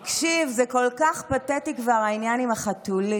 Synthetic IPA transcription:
kʃivzeko̞lkaχpatetikvaʁainjanimaχatuli

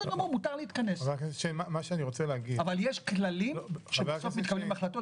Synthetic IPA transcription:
momut̪aʁliːt̪kanesvakaʃemamaʃeaniʁo̞t͡seleaɡidavaljeʃklalimʃevesomit̪̚kablimaχlat̪o

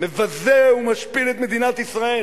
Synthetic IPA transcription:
mɨvɐzeumɐʃpiɾit̪mɨd̪inat̪isʁɐɛ

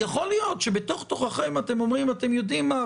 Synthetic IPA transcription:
jaχo̞lijo̞tʃebeto̞χt̪oχaχemate̞mo̞mʁimate̞mjo̞dimːa

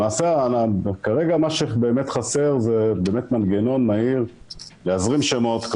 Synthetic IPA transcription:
maːseaakaʁeɡamaʃebe̞ːmetχase̞ʁze̞beːmet̪manɡeno̞nmaiʁleazʁimʃemo̞t̪k

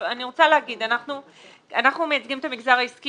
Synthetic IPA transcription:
aniʁo̞t͡saleaɡid̪anaχnu | anaχnume̞jat͡sɡimet̪amiɡzaʁaiski

